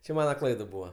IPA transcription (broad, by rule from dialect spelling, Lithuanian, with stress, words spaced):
t͡ʃʲɛ ˈmɑːnɐ ˈklˠɐɪt ˈbuːʋɐ